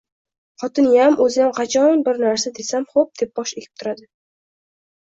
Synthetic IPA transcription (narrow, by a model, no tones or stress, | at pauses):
χɒt̪ʰɪnjamʔɵzɪjamqʰɑt͡ʃʰɒnbɪɾnaɾsad̪e̞samχop̚d̪̥e̞p̚b̥ɒʃekʲʰɪp̚t̪ʰʊɾad̪ɪ